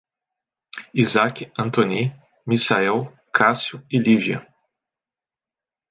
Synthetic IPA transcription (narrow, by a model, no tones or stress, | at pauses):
izakʲiɐ̃nt̪oni | misaɛw | kʰasjʊɪlivjɐ̰